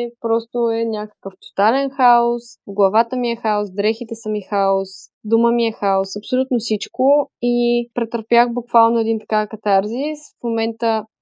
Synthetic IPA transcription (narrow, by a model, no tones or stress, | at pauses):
pɾɔst̪oɛnʲakə̥kəft̪o̥t̪alɛnxaosɡlˠɐvat̪əmiɛxaosd̪ɾɛxit̪ɛsəmixaosd̪uməmiɛxaosɐpsolʲut̪nosit͡ʃkoipɾɛt̪əɾpjaxbukvalˠnoɛd̪int̪ɐ̥kakɐt̪aɾzisfmomɛnt̪ə